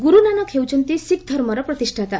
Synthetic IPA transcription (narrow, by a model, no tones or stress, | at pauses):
ɡuɾunanakʰewt͡ɕənt̪isikd̪ʱəɾməɾəpɾət̪iʂʈʰat̪a